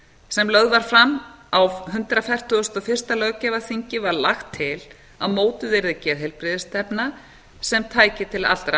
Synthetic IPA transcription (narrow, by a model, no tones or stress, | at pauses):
sɛmlœɣðvaɾ̥fɾamawvɦʏnt̪ɾafɛjr̥t̪ʰʏʏst̪ɔfɪr̥st̪alœcɛvaθiɲcɪvaɾlaxt̪ʰːɪl | awmoːwt̪ʏðeɾðɪcɛːðɦejlpɾɪðɪst̪ɛpna | sɛmt̪ʰaːjcɪt̪ʰɪla̰l̥t̪ɾa